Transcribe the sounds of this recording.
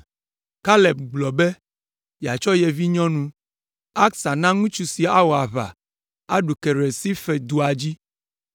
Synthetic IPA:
ka˦le˨b̚ɡ͡blɔ˨bɛ˦ | ja˨t͡ʃɔ˦jɛ˨vi˦ɲɔ̃˦nũ˦ | a˦ksa˨nã˦ŋũ˦t͡ʃu˦si˨a˦wɔ˨a˨βa̰˨ | a˦ɖu˨ke˨ɾe˨si˦fɛ˨d̪u˨a˨d͡ʑi˦

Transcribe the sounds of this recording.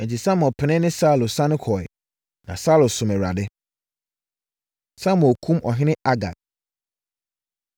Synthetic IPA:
ɛ̃˨t͡ɕʰi˨sã˦m˨ɔ˨pʰɪ˨nɪ̃˦nɪ̃˦saː˦˨lo˨sã˦nɪ̃˦kʰɔ˨ɛ̰˨ | nã˨sa˦lʊ˨sʊ̃˨mɛ˨ɾa˨dɪ˦ | sa˦m̃˨ɔ˨kʰũ˦mʔɔ˨ɦɪ̃˦nɪ̃˦a˦ɡa̰˨d̚

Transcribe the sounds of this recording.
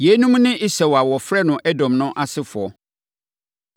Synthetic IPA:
jɛ˨˦nũ˦mnɪ̃˦ʔɪ˦sɛ˨wa˨wɔ˨fɾɛ˦nʊ̃˨ʔɛ˦dɔ̃˨mnʊ̃˦ʔa˨sɪ˦fʊ˨ɔ˨

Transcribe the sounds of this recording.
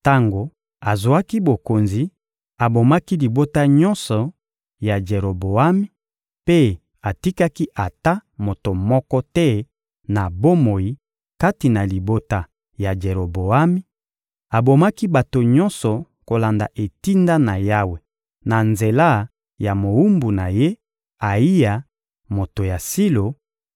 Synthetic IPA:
ta˦ŋɡo˨ | a˨zu˨a˦ki˦bo˨ko˨nzi˨ | a˨bo˨ma˦ki˦li˨bo˦ta˦ɲɔ̃˦nsɔ˨ | ja˨d͡ʒe˨ɾo˨bo˨a˦mi˦ | pe˦ | a˨ti˦ka˦ki˦ʔa˨ta˦mo˨to˨mɔ˦kɔ˦tɛ˦ | na˨bo˦mo˨ji˦ | ka˦ti˨na˨li˨bo˦ta˨ | ja˨d͡ʒe˨ʁo˨bo˨a˦mi˦ | a˨bo˨ma˦ki˦ba˨to˨ɲɔ˦nsɔ˨ | ko˨la˨nda˨ʔe˨ti˦nda˦na˨ja˦we˨ | na˨nze˨la˦˨ | ja˨mo˨u˦mbu˨na˨je˦ | a˨i˦ja˨ | mo˨to˨ja˨si˦lo˨

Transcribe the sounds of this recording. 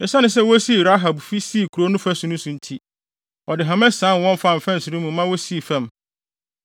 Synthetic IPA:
ɛ˨sa˦nʊ̃˨s̬ɛ˦wɔ˦si˦˨ɾa˦ɦa˨bfi˦si˦˨kʰu˨ɾo˦nʊ̃˦fæ˦sʊ̃˨˦nʊ̃˦sũ˨n̩˦tʰi˦ | ɔ˨dɪ˨ɦã˨mɛ̃˦sãː˨˦˨n˨wɔ̃˦mfa˦˨m̩˨fɛ̃˦n̩˨sʊ˨ɾũ˦mũ˨˦mã˦wo˦si˦˨fɛ̃˦˨m

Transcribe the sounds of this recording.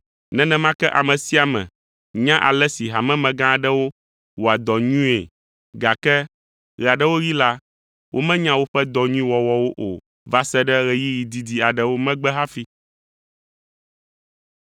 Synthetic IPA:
nɛ̃˦nɛ̃˦mã˦kɛ˦ʔa˨mɛ̃˨si˦a˨mɛ̰̃˨ | ɲã˦ʔa̰˨lɛ˦si˨ɦa˨mɛ̃˦mɛ̃˨ɡã˦˨ɖɛ˦wo˦ | wo˨a˨d̪ɔ˨ɲũ˦ḛ˨ | ɡa˨kɛ˦ | ɣɛ˨a˨ɖɛ˦wo˦ji˦la˦ | wʔo̰˦mɛ̃˦ɲã˦wo˦ɸɛ˦d̪ɔ˨ɲũ˦ĩ˦wɔ˨wɔ˨wo˦ʔo̰˨ | va˦sɛ˦ɖɛ˦ɣɛ˨ji˦ji˨d̪i˨d̪i˨a˨ɖɛ˦wo˦mɛ̃˦ɡ͡bɛ˦ɦa˦fi˦

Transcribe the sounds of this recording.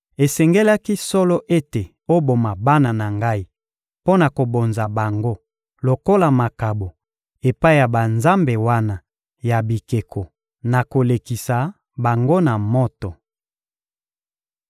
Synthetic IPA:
e˨sɛ˨ŋɡe˦la˦ki˦sɔ˦lɔ˦ʔe˦te˨ | o˦bo˨ma˨ba˦na˨na˨ŋɡa˦i˦ | po˦na˨ko˨bo˨nza˨ba˨ŋɡo˦ | lo˨ko˦la˨ma˨ka˨bo˨ | e˨pa˦i˦ja˨ba˨nza˦mbe˨wa˦na˨ | ja˨bi˨ke˨kʰɔ˨ | na˨ko˨le˨ki˨sa˨ | ba˨ŋɡo˦na˨mo˦tɔ˨

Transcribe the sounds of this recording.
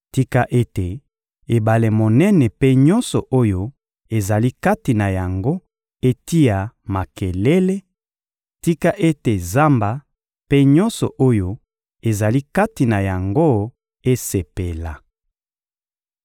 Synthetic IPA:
ti˦ka˦ʔe˦te˨ | e˨ba˨le˨mo˨nɛ˦nɛ˨pe˦ɲɔ˦nsɔ˨ʔo˦jo˦ | e˨za˨li˦ka˦ti˨na˨ja˨ŋɡo˦ | e˦ti˦ja˨ma˨ke˨le˦le˦ | ti˦ka˦ʔe˦te˨za˦mba˨ | pe˦ɲɔ˦nsɔ̰˨ʔo˦jo˦ | e˨za˨li˦ka˦ti˨na˨ja˨ŋɡo˦ | e˦se˨pe˨la˨

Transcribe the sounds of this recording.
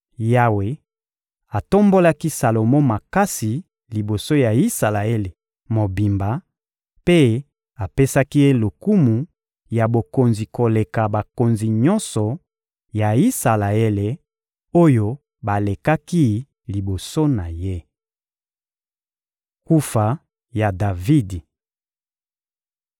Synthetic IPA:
ja˦we˨ | a˨to˦mbo˦la˦ki˦sa˨lo˨mo˦ma˨ka˦si˨ | li˨bo˨so˦ja˨i˦sa˨la˨e˦le˨ | mo˨bi˨mba˨ | pe˦ | a˨pe˦sa˦ki˦je˦lo˨ku˦mu˨ | ja˨bo˨ko˨nzi˨ko˨le˨ka˨ba˨ko˨nzi˨ɲɔ˦nsɔ˨ | ja˨i˦sa˨la˨e˦le˨ | o˦jo˦ | ba˨le˨ka˦ki˦ | li˨bo˨so˦na˨je˦ | ku˦fa˨ | ja˨da˨vi˦di˨

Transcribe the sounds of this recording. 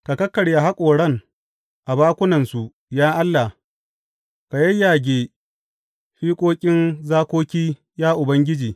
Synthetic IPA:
ka˨kɐ˦kːɐ˨ɽja˨ɦa˦kʷʼoː˨ɽɐ˦˨ŋ | ʔa˨baː˦kʷʊ˦nɐ˨nsu˨ʔ | jaː˦ʔa˦lːa˨ | ka˨jɐ˦jːaː˨ɡʲeː˨ | ɸiː˦kʷʼoː˦kʲʼɪ˦nzaː˦kʷoː˦kʲiː˦ | jaː˦ʔʊ˨bɐ˦ŋɡʲɪ˦d͡ʒiː˨

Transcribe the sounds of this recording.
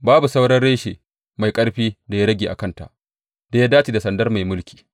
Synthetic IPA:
baː˦bu˨sa˦wɽɐ˦nɽeː˦ʃeː˨ | ma˨jkʼɐ˦ɽɸiː˦da˨ja˦ɽɐ˦ɡʲeː˨ʔa̰˨kɐ˦nta̰˨ʔ | da˨˦ja˦daː˦t͡ʃi˨da˨sɐ˨ndɐ˦rma˨jmʊ˦lkʲi̥ː˨

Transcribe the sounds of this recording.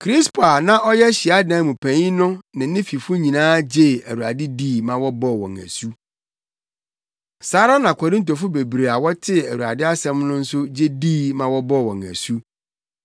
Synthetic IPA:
kʰɾi˦spʰo˨a˨nã˦ʔɔ˦jɛ˦ɕi˨a˦dnã˨˦mũ˨pʰæ̃˨ɲĩ˦nʊ̃˦nɪ̃˨nɪ̃˦fi˨fʊ˦ɲĩ˨nãː˦d͡ʑe˦˨æ˨ɾu˨a˨dɪ˦diː˦˨mã˨wɔ˦bɔ˦˨wɔ̰̃˨ŋæ̰˨su˦ | saː˨˦ɾa˦nã˨kʷʰɔ˨ɾɪ̃˦n˦t̬o˨fʊ˦be˨bɾe˨a˨wɔ˦tʰɪ˦æ˨wu˨a̰˨dɪ˦a˦sɛ̃˦mnʊ̃˦n̩˦sʊ˦d͡ʑe˦diː˦˨mã˨wɔ˦bɔ˦˨wɔ̰̃˨ŋæ̰˨su˦

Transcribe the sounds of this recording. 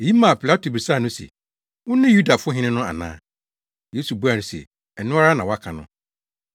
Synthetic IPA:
e˨ji˦mã˨pʰi˨la˦tʰo˨bi˨saː˦˨nʊ̃˦sɛ̰˨ | wʊ̃˦nã˦ju˦da˨fʊ˦ɔ˦ɦɪ̃˦nɪ̃˦nʊ̃˦a̰˨nã̰ː˦ | je˨˦su˨bu˦a˨nʊ̃˨sɛ̰˨ | ɛ˨nʊ̃˦a˦ɾa˦nã˨wɔ˦a˦kʰã˨nʊ̰̃˦

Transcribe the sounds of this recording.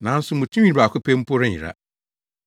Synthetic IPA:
nã˨˦n̩˦sʊ˦mũ˨tʰũ˦i˦˨a˨kʰʊ˦pʰẽ˦m̩˦pʰo˦ɾɪ̃˦ɲɪ̰˨ɾa̰˦

